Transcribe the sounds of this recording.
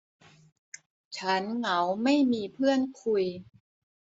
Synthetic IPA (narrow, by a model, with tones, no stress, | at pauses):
t͡ɕʰa˦˥nŋa˩˦wma˥˩jmiː˧pʰɯ˥˩ənkʰu˧j